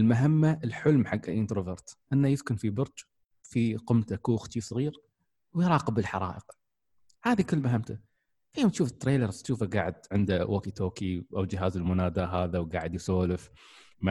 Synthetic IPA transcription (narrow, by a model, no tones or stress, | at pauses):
ʔəlmaɦamːaʔɪlħʊlmħaɡːa̰lʔɪnt̪ɾovɑɾˤt̪ʔɪnːajɪskʊnfibʊɾˤd͡ʒ | fiqʊmt̪akuːxt̪ʃiːfsˤɣiːɾ | wjɾˤɑːqəbɪlħɑɾˤɑ̰ːʔəq | haːðikʊlːmaɦamt̪a | fajoːmt̪ʃuːfɪ̥t̪ːɾeːlɑɾˤt̪ʃuːfaɡaːʕɪd̪̚ʕɪnd̪awʔakit̪ʰoːkiʔawd͡ʒɪɦaːzɪlmʊnaːd̪aɦaːðawɡa̰ːʕɪd̪jsoːlɪf | ma